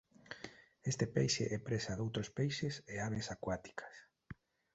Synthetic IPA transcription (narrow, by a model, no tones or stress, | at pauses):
est̪ɪpejʃḛʔɛpɾesaðowt̪ɾospejʃɪseaβesakwat̪i̥kḁs